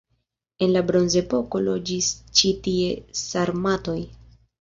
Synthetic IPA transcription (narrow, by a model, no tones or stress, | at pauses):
e̞nlabɾo̞nze̞po̞ko̞lo̞d͡ʒist͡ʃitie̞saɾmato̞j